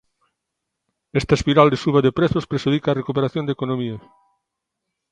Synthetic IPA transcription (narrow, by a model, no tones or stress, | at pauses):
est̪ɐespiɾald̪esuβɐðepɾeθospɾeʃuðikaːrekupeɾaθjond̪ekonõmiɐ